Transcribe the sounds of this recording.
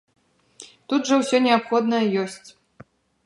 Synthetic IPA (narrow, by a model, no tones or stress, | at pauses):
t̪ud̪ʐɐwsʲɔnʲɛapxɔd̪nɐjɐjɔsʲt͡sʲ